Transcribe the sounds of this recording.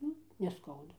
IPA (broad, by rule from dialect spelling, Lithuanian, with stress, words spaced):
ˈnʊ nʲɛˈskɐʊdɐ